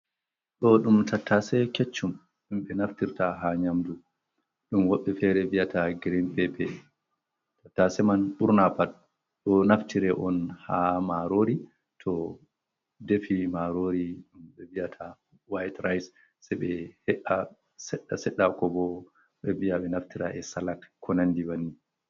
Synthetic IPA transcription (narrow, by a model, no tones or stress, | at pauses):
ɗɔɗumtatʰːasɛket͡ʃːum | ɗumɓɛnaftiɾtaɦaɲamdu | ɗumwɔɓːɛfɛɾɛvijataɡɾimpɛbɛ | tatːasɛmanɓuɾnapat̚ | ɗɔnaftiɾɛʔɔnhamaɾoɾi | tʰɔ | defimaɾoɾiɗumɓɛviatʰa | wajtɾajs | sɛɓɛhɛʔa | sɛɗːasɛɗːakɔbɔ | ɓɛviaɓɛnaftiɾaʔɛsalakkʰːɔnandiwani